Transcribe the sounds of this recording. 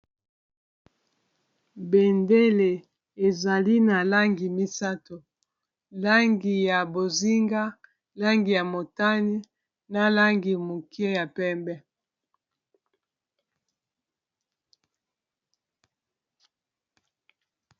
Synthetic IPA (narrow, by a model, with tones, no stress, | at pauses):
be˨nde˦le˨ | e˨za˨li˦na˨la˦ŋɡi˨mi˦sa˦to˨ | la˦ŋɡi˨ja˨bo˨zi˦ŋɡa˦ | la˦ŋɡi˨ja˨mo˨ta˦ni˦ | na˦la˦ŋɡi˨mo˨ki˦e˦ja˨pɛ˦mbɛ˦